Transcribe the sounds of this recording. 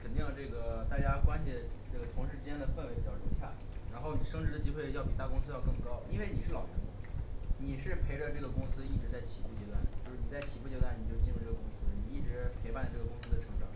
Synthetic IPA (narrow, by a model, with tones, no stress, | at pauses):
kʰə˨˩nt̪i˥˧ŋlʈ͡ʂɤ˥˩ɡə˩t̪a˥˩t͡ɕja˥kwa˥nɕʰi˨˩ʈ͡ʂɤ˥˩ɡə˩t̪ʰʊ˧˥ŋʂɻ̩˥˩ʈ͡ʂɻ̩˥t͡ɕjɛ˥nd̪ə˨fə˥˩nwɪpi˨˩t͡ɕjɑ˥˩o˧˥t͡ɕʰja̰˥˩ | ɻa˧˥nxo˥˩ʊn˨˩ʂɤ˥ŋʈ͡ʂɻ̩˧˥d̪ə˧t͡ɕi˥xwe˥˧ɪ˥jɑ˥˩pi˨˩t̪a˥˩kʊ˥ŋsɹ̩˥jɑ˥˧ʊkɤ˥˩ŋkɑ˥ʊi˥nwe˥˩ɪni˨˩ʂɻ̩˥˩lɑ˨˩ʊɻə̰˧˥nd̪ə˧ni˨˩ʂɻ̩˥˩pʰe˧˥ɪʈ͡ʂə˧ʈ͡ʂɤ˥˩ɡə˩kʊ˥ŋsɹ̩˥i˥˩ʈ͡ʂɻ̩˧˥t͡sa˥˩ɪt͡ɕʰi˨˩pu˥˩t͡ɕjɛ˧˥t̪wa˥˩nt͡ɕjo˥˧ʊʂɻ̩˥˩ni˨˩t͡sa˥˩ɪt͡ɕʰi˨˩pu˥˩t͡ɕjɛ˧˥t̪wa˥ni˨˩t͡ɕjo˥˧ʊt͡ɕi˥˧ɻu˧ʈ͡ʂɤ˥˩ɡə˩kʊ˥ŋsɹ̩˥˨ni˨˩i˥˩ʈ͡ʂɻ̩˧˥pʰɪpa˥˩nlə˩ʈ͡ʂɤ˥˩ɡə˩kʊ˥ŋsɹ̩˥d̪ə˨˩ʈ͡ʂʰɤ˧˥ŋʈ͡ʂɑ˨˩˦